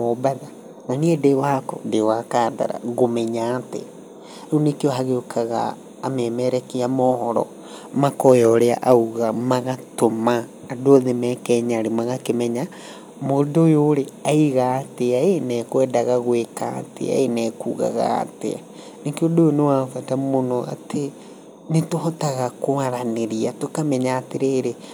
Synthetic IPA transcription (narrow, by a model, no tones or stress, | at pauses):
mobaða | naniɛdewakɔ̰dewakaːda̰ɾa̰ɣomɛɲatḛ | onekeɔɦaɣeokʰaɣa̰ː | mɛmɛɾɛkeamɔhɔɾɔ̰ | makɔjɔɾea̰ʔauɣamaɣatomaː | dooðemɛkɛɲaɾemaɣakemɛɲa | modoːjoɾeaiɣaːteaenɛkwɛdaɣaɣweka̰ːtḛa̰enɛkuːɣa̰ɣa̰ːtḛa̰ | nekeodojonewafatamonoa̰te | netohɔtaɣakoaɾaneɾiatokamɛɲaːteɾeːɾe